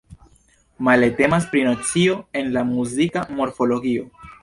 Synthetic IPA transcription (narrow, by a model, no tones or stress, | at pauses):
malete̞mas̬pɾinot͡sio̞e̞nlamuzikamo̞ɾfo̞lo̞ɡio̞